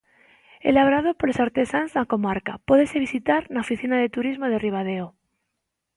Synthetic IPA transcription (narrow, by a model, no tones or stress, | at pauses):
ḛlaβɾað̞opoɾesaɾt̪esanznakomaɾka̰poðeseβisit̪aɾnaofiθinað̞et̪uɾizmoð̞eriβ̞að̞eo